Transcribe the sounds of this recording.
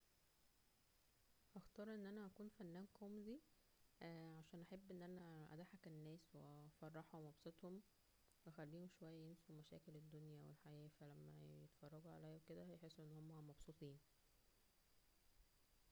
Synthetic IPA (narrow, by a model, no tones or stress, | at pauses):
ʔæxt̪ɑːɾˤʔenːʔænæʔækuːnfænːæːnkomzi | ʕaʃæːnʔæħebːʔenːʔænæʔæ̰d̪aħækenːæːswefɑrˤːɑħumɑbsˤet̪ˤhom | wexælːiːhomʃowæjːæjemsumæʃæ̰ːkeled̪ːonjæwḛlħajæːfælæmːæ̰jḛt̪fɑrˤːɑɡuʕa̰læjːæwked̪æjeħesːuʔenːhomːomæmɑbsut̪ˤiːn